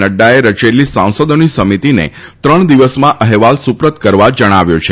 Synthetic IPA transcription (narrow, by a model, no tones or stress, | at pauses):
əɖːaeɾət͡ʃelːisãw̃səd̪onisəmit̪inḛt̪ɾəɳ̃d̪iʋəsmãʔəɦɛʋalsupɾət̪kəɾʋad͡ʒəɽ̃aʋjo̰t͡ʃʰe